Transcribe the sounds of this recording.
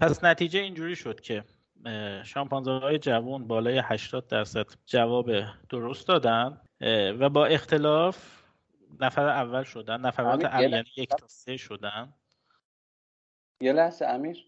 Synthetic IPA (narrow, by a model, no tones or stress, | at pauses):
pʰæsnæt̪ʰiːd͡ʒeiːnd͡ʒuːɾiːʃo̞d̪̥cʰe̞ | ʃɒːmpʰɒːnzɒɒːje̞d͡ʒævunbɒːlɒːje̞hæʃt̪ɒːd̪̚ːæɾsæd̪̥d͡ʒævɒːbed̪̥oɾo̞st̪d̪ɒːd̪ænd̪ | væbɒːe̞xt̪ʰe̞lɒːf | næfæɾeævːælʃo̞d̪ænːæfæɾɒːt̪ʰeʔæænijek̪ʰɒːseʃo̞d̪ænd̪ | jelæhseæmiɾ